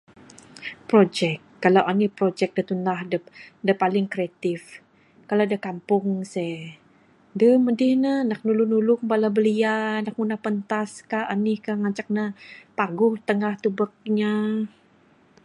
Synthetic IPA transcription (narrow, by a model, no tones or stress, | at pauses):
pɾod͡ʒɛk̚ːalawʔanihpɾod͡ʒɛk̚dət̪unahdədəpalɪŋkɾeat̪ɪf | kalawdəhkampʊŋsɛ | dəmədɪhnəənak̚nulʊnulʊŋ̚balabəliaənak̚munahpənt̪askaanɪhkaŋat͡ʃak̚nəpaɡʊht̪əŋaht̪ubək̚ɲa